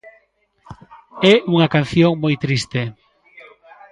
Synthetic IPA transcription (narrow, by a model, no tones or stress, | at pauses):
ɛuŋɐkan̟θjoŋmojt̪ɾist̪e